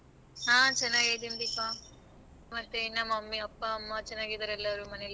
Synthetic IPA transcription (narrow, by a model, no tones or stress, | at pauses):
ɦãːt͡ʃɐnːaːɡed̪ind̪ipa | mɐst̪enamɐmːiɐpːaːmːɐt͡ʃɐnːaːɡid̪ɐɾɛlːɐʋɾumɐnel